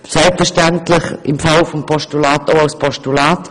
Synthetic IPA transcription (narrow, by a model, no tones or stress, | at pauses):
sɛlpfɛʃtɛntlɪχɪ̰mfalfɔmpʰɔʃtulaːtoʊaʊspʰɔʃtulaːt